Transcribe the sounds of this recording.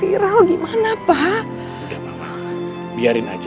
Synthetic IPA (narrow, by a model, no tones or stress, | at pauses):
iɾalɡimanapa | udahmama̰ | a | biaɾɪnad͡ʒ